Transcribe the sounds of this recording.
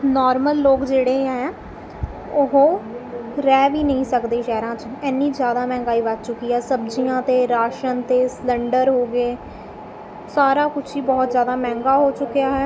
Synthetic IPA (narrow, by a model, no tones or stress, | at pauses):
nɔːɾməlːoːkd͡ʒeːɽẽːɦɛː | ʊɦõː | ɾɛːʋiːnəĩːsəkd̪eːʃɛːɾãːt͡ʃɛːnĩːzjaːd̪aːmɛ̃ːŋɡaːiːʋət̪̚t͡ʃʊkːiːɦɛːsəbd͡ʒijãːt̪eːɾaːʃənt̪eːsləɳɖəɾɦoːɡeː | saːɾaːkʊt͡ʃʰiːbɔːt̪zjaːd̪aːmɛ̃ːŋɡaːɦoːt͡ʃʊkːejaːɦɛː